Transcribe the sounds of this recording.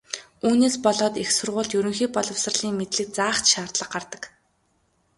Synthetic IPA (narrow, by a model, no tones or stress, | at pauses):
uːneːspɔɮɔːt̪ixsʊrʁʊːɮt̪jɵɾɵ̆ŋxiːk̚pɔɮɞ̆wsə̆rɮiːŋmet̪ɮɘ̆k̚t͡saːχt̪ʃaːrt̪ɮə̆qɢart̪ə̆k